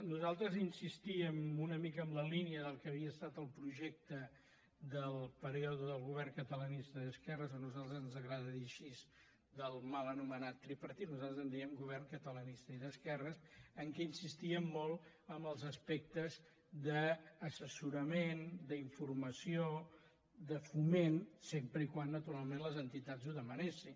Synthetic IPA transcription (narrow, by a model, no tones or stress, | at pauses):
nuzalˠt̪ɾəzinsist̪iəmunəmikəːmləliniəðəlˠkəβiəst̪at̪əlˠpɾuʒɛk̚t̪ə | d̪əlˠpəɾioðuðəlˠɣuβɛrŋkət̪ələnist̪əðəskɛrəzɔnuzalˠt̪ɾəzənzəɣɾaðəðiəʃiz | d̪əlˠmalənumənat̪ːɾipəɾt̪it̪nuzalˠt̪ɾəzənd̪iəmɡuβ̞ɛrŋkət̪ələnist̪əiðəskɛrəsəŋkɛinsist̪iəmːɔlˠ | əmbəlˠzəspɛk̚t̪əz | ðəːsəsuɾəmend̪əiɱfurməsio | d̪əfumensempɾəikwanːət̪uɾalˠmenləzənt̪it̪azuðəmənesin